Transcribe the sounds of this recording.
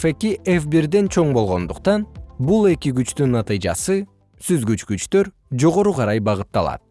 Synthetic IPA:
fe̞kiʔefbiɾd̪e̞nt͡ʃʰo̞ɴbo̞lˠʁo̞nd̪uqt̪ɑnbulˠe̞kiɡyt͡ʃt̪ynːɑt̪ɨjd͡ʒɑ̰sɯ | syzɡyt͡ʃkyt͡ʃt̪ø̞ɾ | d͡ʒo̞ʁo̞ɾuqʰɑɾɑjbɑʁɯt̪ːɑlˠɑ̰t̪̚

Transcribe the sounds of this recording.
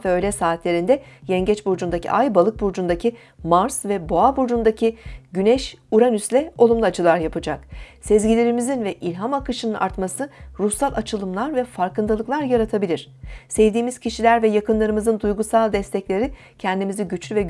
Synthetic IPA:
vɛøjlʲɛsaːt̪ʰlʲe̞ɾind̪ɛjɛɲɟɛt͡ʃbuɾd͡ʒund̪acʰḭʔajbalˠɯk̚buɾd͡ʒund̪acʰi | maɾsvɛbo̞abuɾd͡ʒund̪acʰiɟynɛʃuɾanyslʲɛo̞lˠumlˠuat͡ʃʰɯlˠaɾjapʰɯd͡ʒaksɛzɟilʲeɾimizinvɛʔilʲɦamakɯʃɯnɯnʔa̰ɾt̪masɯɾusalˠʔat͡ʃʰɯlˠɯmlˠaɾvɛfaɾkɯnd̪alˠɯklˠaɾjaɾat̪ʰabilʲiɾ̥sɛvd̪iːmiz̥cʰiʃilʲæɾvɛjakɯnlˠaɾɯmɯzɯnd̪ujɡusalˠd̪ɛst̪ʰɛclʲe̞ɾi | cʰɛnd̪imiziɟyt͡ʃlʲyvɛ

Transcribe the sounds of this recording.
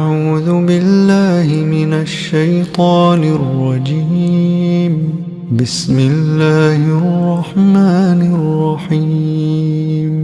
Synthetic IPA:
ʔaʕuːðʊbɪlːaːhɪmɪnaʃːajt̪ˤɑːnɪrːɑd͡ʒi | m | bɪsmɪlːaːhʔrrˤːɑħmaːnɪrˤːɑħi | m

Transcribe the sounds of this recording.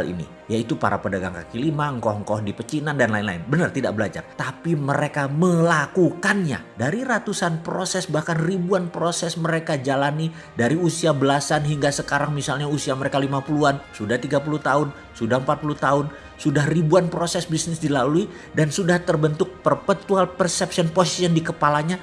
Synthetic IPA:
alḭnḭ | jait̪upa̰ɾa̰pədaɡa̰ŋka̰kilimaŋkɔhŋkɔhdipət͡ʃinandanlaɪnla̰ɪnbənərt̪ida̰k̚bəlad͡ʒa̰rt̪apiməɾekaməlakukanɲa̰daɾirat̪usanpɾosɛsbahkanribuanpɾosɛsməɾekad͡ʒalani | daɾiusiabəlasanɦiŋɡasəkaɾaŋmisalɲausiaməɾekalimapuluansudaht̪iɡap̬ulut̪aʊn | sudahəmpat̪̚pulut̪aʊn | sudahribuanpɾosɛsbisnɪsdilalui | dansudaht̪ərbənt̪ʊk̚pərpət̪ualpərsɛpsiɔnposi̥siandikəpalaɲa

